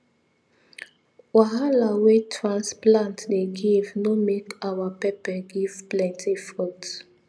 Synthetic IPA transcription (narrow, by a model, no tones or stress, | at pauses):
waɦalawetʰɹãnsplãntdeɡivnomekawapɛpɛɡiv̥plɛ̃ntʰifɔt